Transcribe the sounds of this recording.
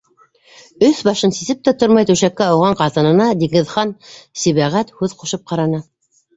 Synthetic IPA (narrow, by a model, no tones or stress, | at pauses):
ɵθbɑʃɤnsisɘp̚t̪æt̪oɾmɑjt̪ʉwʃækːæɑwʁɑɴqɑt̪ɤ̆nɤ̆nɑd̪iŋɘ̆ðχɑnsiβæʁæt̪hʉðqŏʃɤp̚qɑɾɑnɤ